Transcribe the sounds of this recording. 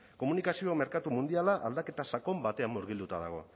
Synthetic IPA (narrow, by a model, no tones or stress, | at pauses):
ko̞munikasio̞me̞ɾkat̪umund̪ialaʔald̪ake̞t̪asako̞mbat̪e̞amːoɾɣ̞ild̪ut̪aðaɣ̞o̞̰